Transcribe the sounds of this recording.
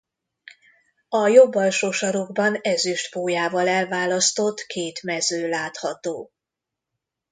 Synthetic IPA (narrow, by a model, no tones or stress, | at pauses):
ɒjobːɒlʃoːʃɒɾoɡ̚bɒnɛzyʃt̪poːjaːvɒlɛlvaːlɒst̪o̞t̪kʰeːt̪mɛzøːlaːt̪hɒt̪oː